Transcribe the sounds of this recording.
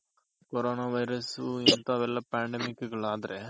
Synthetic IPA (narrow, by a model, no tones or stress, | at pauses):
kɔɾoːnaːʋɐɪɾɐsuɪnt̪aːʋɛlːɐpaːɳɖɛmɪkːɯkɐɭaːðɪɾɛ